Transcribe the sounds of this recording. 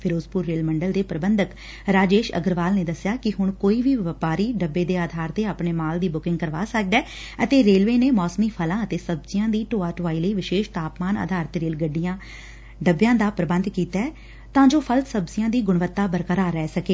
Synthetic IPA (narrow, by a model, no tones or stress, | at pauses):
pʰɪɾoːzpʊɾːeːlməɳɖəld̪eːpɾəbənd̪ək | ɾaːd͡ʒeːʃə̰ɡəɾʋaːlneːd̪əsjaːkɪɦʊɳkoːiːʋiːʋəpaːɾiːɖəbːeːd̪eːaːd̪ʱaːɾt̪eːaːpɳeːmaːld̪iːbʊkɪ̃ŋɡkəɾʋaːsək̚d̪ɛː | ət̪eːɾeːlʋeːneːmɔːsmiːpʰəlãːət̪eːsəbzɪjãːd̪iːʈoːaːʈʋaːiːləiːʋɪʃeːʃt̪aːpmaːnʔa̰ːd̪ʱaːɾt̪ɾeːlɡəɖːijãː | ɖəbjãːd̪aːpɾəbənd̪kiːt̪ɛː | t̪ãːd͡ʒoːpʰəlsəbzɪjãːd̪iːɡʊɳʋət̪ːaːbəɾkəɾaːɾɛːsəkeː